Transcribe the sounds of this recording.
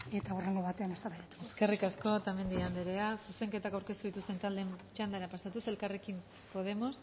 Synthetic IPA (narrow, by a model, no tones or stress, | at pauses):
e̞t̪aureŋɡoβat̪eane̞st̪aɾajat̪ueske̞rikasko̞t̪ame̞nd̪iand̪eɾeasuse̞ŋke̞t̪akawɾke̞st̪uðit̪ust̪e̞nt̪ald̪e̞mt͡ʃand̪aeɾapasat̪use̞lkare̞kim | po̞ð̞e̞mo̞s